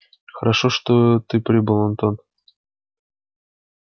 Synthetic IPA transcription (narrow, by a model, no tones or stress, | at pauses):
xɐɾʔaʃoʂt̪ot̪ɨpɾʲibɨlˠont̪on